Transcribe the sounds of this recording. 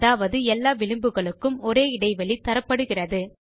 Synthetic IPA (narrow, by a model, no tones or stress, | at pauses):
ðaːʋɐðɯɛlːaːʋɪɭɯmbɯɣɐɭɯkːɯmɔɾeːɪɽɐɪʋɐɭit̪ːɐɾɐpːɐɽɯɣɪrɐðɯ